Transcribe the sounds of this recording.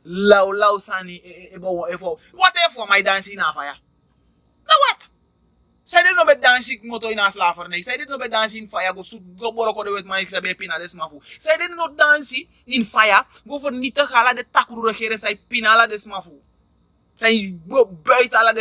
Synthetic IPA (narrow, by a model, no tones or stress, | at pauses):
lawlawsaniebowefowwatefamaidãːnsinafaja | nawat | sajdenobedãnsik̚mɔtoinaslafɐɾneisaidenobedãːnsiinfajaɡosuɡɔbɔɾokodewetmãsiksabɛpinadesimafusaidenodãnsi | ninfaja | ɡofɐnitakaladetakuɾuɾɐkeɾesaipinaladesmafu | sajibobajtalade